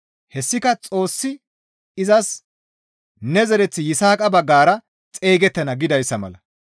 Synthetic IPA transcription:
hɛsːɪkɐt͡sʼo̞ːsːɪ | ɪzɐs | nɛzɛɾɛt͡sːɪjɪsaːkʼɐbɐɡːaːɾɐ | t͡sʼe̞ːɡɛt̪ːɐnɐɡɪd̪ɐjsːɐmɐ̰lɐ

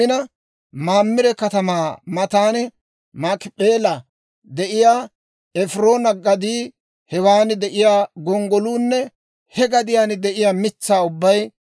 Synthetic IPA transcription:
ɪnɐ | maːmːɪɾɛkɐt̪ɐmaːmɐt̪aːnɪ | maːkɪpʼeːlɐ | d̪ɛʔɪjaː | ɛfɾo̞ːnɐɡɐd̪iː | hɛwaːnɪd̪ɛʔɪjaːɡɔŋɡɔluːnːɛ | hɛɡɐd̪ɪjaːnd̪ɛʔɪjaːmɪt͡sːaːʊbːɐj

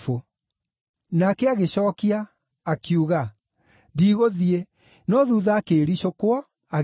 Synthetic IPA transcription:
fo | nakɛaɣeɕɔːkiaː | kjuɣa | ndiːɣoðie | nɔðuðaːkeːɾiɕokoɔ | aɣ

